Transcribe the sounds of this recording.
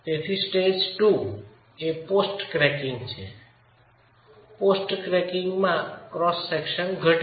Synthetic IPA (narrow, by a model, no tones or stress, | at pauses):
t̪et̪ʰisʈed͡ʒʈu | eposʈkɾɛkɪ̃ŋɡt͡ʃʰḛ | posʈkɾɛkɪŋɡmãkɾɔsːekʃənɡʱəʈ